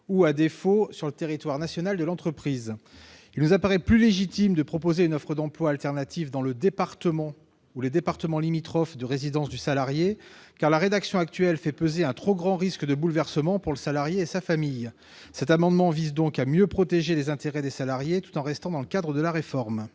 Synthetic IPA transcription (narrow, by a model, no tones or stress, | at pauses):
uad̪efosyʁlət̪eʁit̪waʁnasjɔnald̪əlɑ̃t̪χəpχiz | ilnuzapaʁɛplyleʒit̪imd̪əpχɔpozeynɔfχəd̪ɑ̃plwaːlt̪ɛʁnat̪ʰivd̪ɑ̃ləd̪epaʁt̪əmɑ̃ | uled̪epaʁt̪əmɑ̃limit̪χɔfd̪əʁezid̪ɑ̃sd̪ysalaʁjekaʁlaʁed̪aksjɔ̃ak̚t̪ɥɛlfɛpøzeɛ̃t̪χoɡʁɑ̃ʁiskd̪əbulvɛʁsəmɑ̃puʁləsalaʁjeːsafamij | sɛt̪amɑ̃d̪mɑ̃vizd̪ɔ̃kamjøpχɔt̪eʒelezɛ̃t̪eʁɛd̪esalaʁjet̪u̥t̪ɑ̃ʁɛst̪ɑ̃d̪ɑ̃ləkad̪ʁəd̪əlaʁefɔʁm